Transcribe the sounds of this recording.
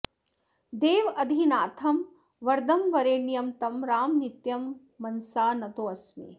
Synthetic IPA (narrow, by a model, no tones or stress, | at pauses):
d̪eːʋɐd̪ʱinaːt̪ʰɐm | ʋɐɾd̪ɐmʋɐɾeːnijɐmt̪ɐmɾaːmnit̪jɐmː | ɐnsaːnɐt̪oːɐsmḭ